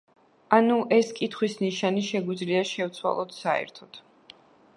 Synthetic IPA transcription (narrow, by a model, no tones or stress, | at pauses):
anuʔɛskʼit̪ʰχwisniʃaniʃɛɡwid̪zliaʃɛvt̪sʰwa̰lˠɔt̪saɛ̰ɾt̪ʰɔt̪